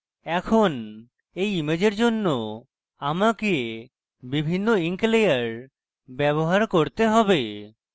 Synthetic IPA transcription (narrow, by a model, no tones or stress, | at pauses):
ɛkʰon | ejimed͡ʑeɾd͡ʑonːo | amakie | bibʱinːoiŋklejaɾ | bɛβoɦaɾkoɾt̪eɦɔbe